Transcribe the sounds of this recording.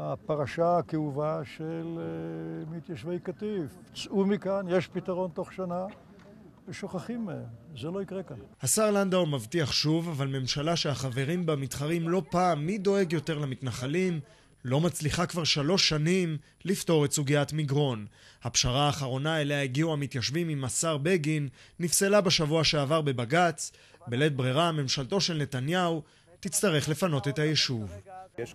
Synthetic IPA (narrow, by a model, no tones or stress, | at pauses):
apaʁaʃaːkeuvaʃel | mit̪jaʃvejkat̪if | t͡sumikanjeʃpit̪aʁo̞nt̪o̞χʃana | eʃoχaχimeemzelo̞ikʁekanhasaʁland̪aomavtiaχʃuvavalme̞mʃalaʃehaχave̞ʁimbemitχaʁimlo̞paːmːido̞e̞ɡjo̞te̞ʁlamitnaχalim | lo̞mat͡sliχakvaʁʃalo̞ʃːanim | lifto̞ʁe̞tsuɡiatmiɡʁo̞nhapʃaʁaːχaʁo̞naeleaiɡiuamit̪jaʃvimimasaʁbeɡinːifselabeʃavuaʃeavaʁbe̞baɡat͡s | bele̞t̚bʁiʁame̞mʃalto̞ʃe̞lne̞tanjau | t̪it͡st̪aʁe̞χle̞fano̞te̞thajeʃuv